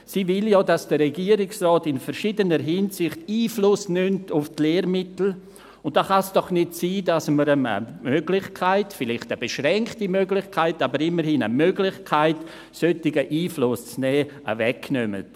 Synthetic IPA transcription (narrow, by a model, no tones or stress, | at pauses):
sivɪljɔːdasd̥əɾɛɡiəɾɪksrɔːtɪnfəɾʃidənəɾɦɪnsɪχtiːflʊsnʏmtʊftleːɾmɪtl̩ | ʊnt̚d̥oχasd̥ɔχnɪtsiːdasməɾəmə̰møɡ̥lɪχkʰaɪtfɪlɪχtəbeʃɾɛŋktimøɡlɪχkʰaɪtabəɾɪmːəɾhinə̰møɡlɪçkʰaɪt | søtɪɡəʔiːflʊst͡snɛːʔə̰vɛknømə̰t